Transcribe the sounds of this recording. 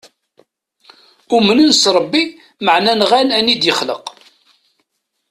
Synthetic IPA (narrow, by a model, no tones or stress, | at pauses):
umənənsɾˤəbːi | məʕnænʁænænid̪jəχlə̰q